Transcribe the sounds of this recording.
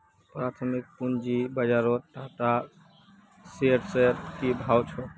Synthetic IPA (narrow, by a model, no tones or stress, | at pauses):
pɾat̪ʰəmik̚pund͡ʒibəd͡ʒaɾɔʈ̪at̪a | seʈseɾkibʱawt͡ʃʰɔ